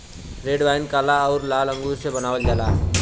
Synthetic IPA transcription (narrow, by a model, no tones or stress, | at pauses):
ɾeːɖʋaːɪnkaːlaɔːɾlaːlə̃ŋɡuɾsebənaːwəld͡ʒaːlaː